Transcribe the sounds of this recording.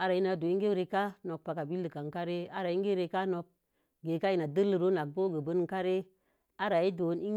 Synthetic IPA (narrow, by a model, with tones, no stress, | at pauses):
a˦ɾa˨i˦na˨do˨i˦ŋɡe˦ɾe˧ka˦no˨k̚pa˨ka˨bi˦lːə˨ka˨ŋ˨ka˦ɾe˦a˦ɾa˨i˦ŋ˦ɡe˦ɾe˧ka˦no˧k̚ | ɡe˨ka˦i˦na˨də˦lːə˨ɾo˦na˨k̚bo˦ɡə˨bə˦n˦ka˦ɾe˦ | a˦ɾa˨i˦do˨˦ni˦